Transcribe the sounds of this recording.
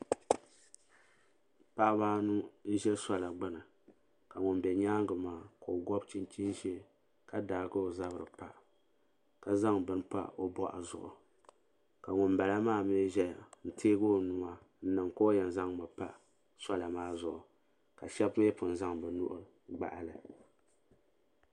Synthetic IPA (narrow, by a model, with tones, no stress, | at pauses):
pa˦ʔbaː˦nu˦n̩˦ʒɛ˦sa˦la˨ɡ͡ba˦nɨ˨ | ka˨ŋʊ˨nbɛ˨ɲaː˦ŋ˦ɡɨ˨maː˦ko˨ɡɔ˦bt͡ʃi˦nt͡ʃi˦nʒe˦ | ka˦da˨ɡɨ˦o˨za˦bɨ˨ɾɨ̰˨pa˨ | ka˨za˦ŋbɨ˦n˦pa̰˦o˦bɔ˦ʔa̰˨zʊ̰˨ʔʊ˨ | ka˨ŋʊ˨nba˨la˦maː˦˨me˦ʒɛ˦˨n̩˨tʰeː˦ɡo˦nu˨ma˦ | n̩˦nɨ˨ŋko˦jɛ˨n˨za˦ŋma˨pa˦ | sa˦la˨maː˦zʊ˨ʔʊ˨ | ka˨ʃɛ˦bjɛ˦pʊ˨n˨za˦ŋbɨ˨nʊ̰˦ʔʊ˦ | ɡ͡ba̰˨ʔa˦lɨ˨